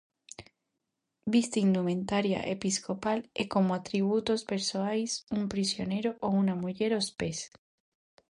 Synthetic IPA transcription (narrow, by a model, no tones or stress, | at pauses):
bist̪eind̪umẽnt̪aɾja̰ʔḛpisko̞palekomoat̪ɾiβ̞ut̪o̞speɾsoajsumpɾisjo̞ne̞ɾoʔounamuʝe̞ɾospes